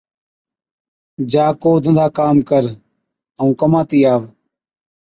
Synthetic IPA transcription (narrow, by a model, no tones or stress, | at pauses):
d͡ʒaːkoːd̪ʱənd̪ʱaːkaːmkəɾ | əũːkəmãːt̪iːaːʋ